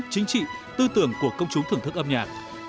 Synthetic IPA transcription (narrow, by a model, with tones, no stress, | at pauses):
t͡ɕï˨˦ŋ̟t͡ɕḭ˧˨t̪ɨ˧t̪ɨ˧˩əŋku˧˩əkə˧wŋ͡mt͡ɕʊ˨˦ŋ͡mt̪ʰɨ˨˩əŋt̪ʰɨ˦˥k̚ʔə˧mɲaː˨˩t̚